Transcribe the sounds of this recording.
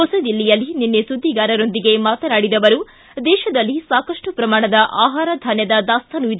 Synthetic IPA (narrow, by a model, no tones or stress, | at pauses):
ɔsɐd̪ilːijɐlːininːesud̪ʱːiɡaːɾɐɾo̞nd̪iɡe̞maːt̪ɐnaːɽid̪ɐʋɐɾu | d̪ɛːʃɐd̪ɐlːisaːkɐʂʈupɾɐmaːɳɐd̪ɐʔaːɦaːɾɐd̪ʱaːnjɐd̪ɐd̪aːst̪ʰɐnuid̪